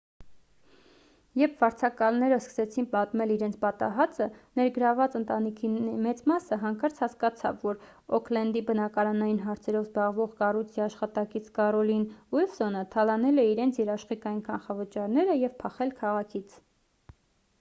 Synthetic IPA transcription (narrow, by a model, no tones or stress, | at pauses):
jɛɾpʰvɑɾt͡sʰɑkɑlnɛɾəskə̥sɛt͡sʰinpɑt̪mɛliɾɛnt͡sʰpɑt̪ɑ̰ɦɑt͡sənɛɾɡəɾɑvɑt͡sənt̪ɑnikʰimɛt͡smɑsəɦɑŋkɑɾt͡sʰhɑskɑt͡sʰɑ̰vːɔɾ | ɔkʰlɛnd̪ibənɑkɑɾɑnɑjinɦɑɾt͡sʰɛɾɔvzbɑʁvɔʁkɑrujt͡sʰiɑʃχɑt̪ɑkit͡sʰkɑɾɔlinwilsɔnət̪ʰɑlɑnɛlɛiɾɛnt͡sʰjɛɾɑʃχikɑjinkʰɑnχɑvət͡ʃɑɾnɛɾəjɛvpʰɑχɛlkʰɑʁɑkʰit͡sʰ